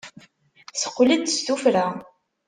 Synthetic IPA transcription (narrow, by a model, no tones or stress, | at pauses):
sə̥qːlid̪̚tst̪ufɾa